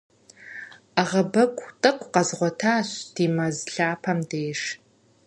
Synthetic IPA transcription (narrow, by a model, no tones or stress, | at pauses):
aʁɐbɐkʷʰʼtʼɨkʷʰʼqɐzʁʷɔtʰaːɕd̥iːmɐzɬaːpʰɐmdeːʂ